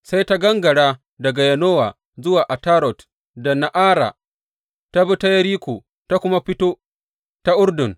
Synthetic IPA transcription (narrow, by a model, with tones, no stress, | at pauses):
sa˦jta˦ɡɐ˦ŋɡɐ˨ɽaː˦ | dɐ˨ɡa˨jɐ˨noː˦wa̰ː˨ | zʊ˦waː˨ʔa˨taː˦ɾɔ˨t | da˨na˨ʔaː˦ɾa̰ː˨ | ta˦bɐ˦ta˦jɐ˦ɾiː˦kʷoː˨ | ta˦kʷʊ˦ma˦ɸɪ˦toː˦ | ta˦ʔʊ˦rdʊ˨n